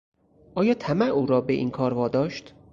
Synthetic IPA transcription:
ʔɒːjɒːt̪ʰæmæuːɾɒːbeʔḭnkʰɒːɾvɒːd̪ɒːʃt̪

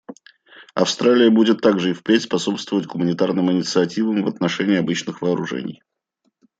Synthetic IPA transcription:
ɐ̰fst̪ɾalʲɪjəbudʲɪt̪ːaɡʐɨɪfpɾʲetʲspɐso̞pst̪vəvətʲɡʊmənʲɪt̪arnɨmɪnʲɪt̪sɨɐtʲivəmvət̪nɐʂɛnʲɪːɐbɨt͡ɕnɨxvəːɾʊʐɛ̰nʲɪ̰j

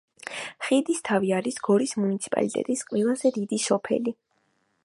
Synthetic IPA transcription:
χid̪ist̪ʰaviaɾisɡ̥ɔɾismunit̪sʰi̥pʼa̰lit̪ʼɛ̰t̪ʼisqʼwɛlˠazɛd̪id̪isɔpʰɛ̰li

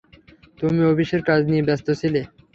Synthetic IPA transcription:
t̪umiobiʃeɾkad͡ʑnijebɛst̪ot͡ɕʰile

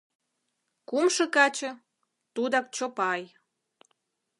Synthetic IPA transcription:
kumʃɤ̆kɑt͡ɕɤ̆ | t̪ud̪ɑk̚t͡ɕopɑj

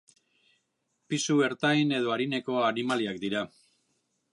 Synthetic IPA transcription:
pisue̞ɾt̪ajne̞ð̞o̞aɾine̞ko̞animaliakd̪iɾa

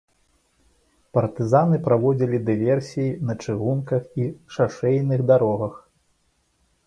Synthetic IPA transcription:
pɐrt̪ɨzanɨpɾavɔd͡zʲilʲid̪ɨvʲɛrsʲijinɐt͡ʂɨɣunkɐxiʂaʂɛjnɨɣd̪aɾɔɣɐx

